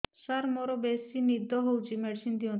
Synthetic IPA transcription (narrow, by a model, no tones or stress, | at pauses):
ʃaɾmɔɾobesinid̪ʱːoɦowt͡ɕimɛʈsind̪io